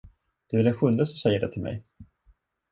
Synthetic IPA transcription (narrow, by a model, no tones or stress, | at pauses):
d̪̥ɛːvɛlɛnɧɵnd̪əsɔmsɛjːəɖɛ̰t̪ʰɪlmɛ̰j